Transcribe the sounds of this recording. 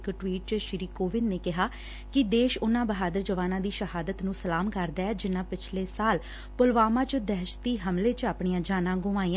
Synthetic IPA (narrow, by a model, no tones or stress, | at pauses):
kʈʋiːʈt͡ʃʃɪɾiːkoːʋɪnːeːkɪɦaː | kɪd̪eːʃʊnãːbəɦaːd̪əɾd͡ʒəʋaːnãːd̪iːʃəɦaːd̪ət̪nũːsəlaːmkəɾd̪aːɛːd͡ʒɪnːãːpɪt͡ʃʰleːsaːl | pʊlʋaːmãːt͡ʃəd̪ɛːʃt̪iːɦəmleːt͡ʃaːpɳ̃iːãːd͡ʒaːnãːɡʊʋaːiːã